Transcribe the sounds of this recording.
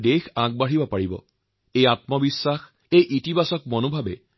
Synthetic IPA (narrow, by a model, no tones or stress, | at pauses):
dexaɡ̚baɦibɔpaɹibɔ̰ | ejatmɔbisːax | ejʔitibasɔk̚mɔnobʱabɛ̰